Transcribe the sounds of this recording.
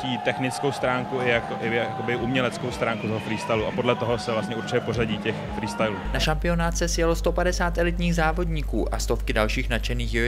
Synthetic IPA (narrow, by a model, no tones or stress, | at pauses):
ciːt̪ɛxnɪt͡skowst̪ɾaːŋkuɪakɪjakkobɪʔumɲɛlɛt͡skowst̪ɾaːŋkut̪oɦofɾiːst̪aluʔapo̞dlɛt̪oɦo̞sɛvlast̪ɲɛuɾt͡ʃɪcɛpo̞raɟiːcɛxfɾiːst̪ajluːnaʃampɪo̞naːt̪sɛsjɛlost̪o̞padɛsaːt̪ɛlɪt̪ɲiːxzaːvo̞dɲikuːʔa̰st̪o̞fkɪdalʃiːxnat͡ʃɛniːxj